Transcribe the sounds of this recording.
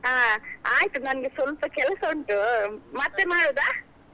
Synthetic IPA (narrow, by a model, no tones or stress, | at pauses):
aːaːjt̪unɐnɐɡesʋɐlpɐkɛlɐsoɳʈumɐt̪ːemaːɽoːd̪aː